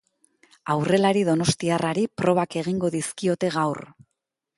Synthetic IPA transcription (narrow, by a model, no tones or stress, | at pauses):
awre̞laɾiðo̞no̞st̪iaraɾipɾo̞β̞ake̞ɣ̞iŋɡo̞ðiskio̞t̪e̞ɣawr